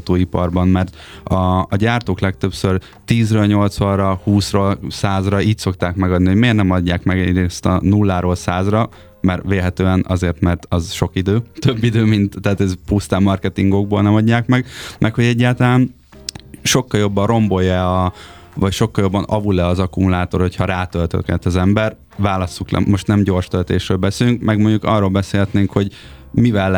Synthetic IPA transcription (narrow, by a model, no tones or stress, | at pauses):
t̪oːipɒrbɒmmɛrt̪ | ɒːɟaːrt̪oːklɛkt̪øpsør | t̪iːzrøːlɲo̞lt̪sʋɒrɒhuːsroːlsaːzrɒiːcso̞kt̪aːkmɛɡɒd̪niɦoɟmeːrnɛmɒɟːaːkmɛɡɛɾest̪ɒ̰nulːaːɾoːlsaːzrɒ | mɛrʋeːlɦɛt̪øːɛnɒ̰zeːrt̪mɛrt̪ɒzʃo̞kid̪øːt̪øbːid̪øːmint̪ːɛaːt̪ɛzpust̪aːmːɒrkɛt̪iŋɡo̞ɡ̚bolnɛmɒɟːaːkmɛɡmʔɛkhoɟɛɟːaːlt̪ɒlaːn | ʃo̞kːɒljo̞bːɒnro̞mbo̞jɛɒ | vɒcʃo̞kːɒljo̞bːɒnɒvulɛɒzɒkumulaːt̪o̞rho̞chɒɾaːt̪ølt̪ø̰kɛ̰t̪ːɒzɛmbɛr | vaːlɒsːuklɛ̰mːo̞ʃt̪nɛmɟo̞rʃt̪ølt̪eːʃrøːlbɛselyŋkmɛɡmo̞ɲɟukɒrːoːlbɛseːlɦɛt̪neːŋkho̞ɟmivɛl